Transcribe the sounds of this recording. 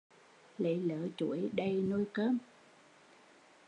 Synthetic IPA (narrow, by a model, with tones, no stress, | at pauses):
lḛ˧˨˦ləː˨˦t͡ɕu˧˩əjɗə˧jnu˧jkəː˦˥m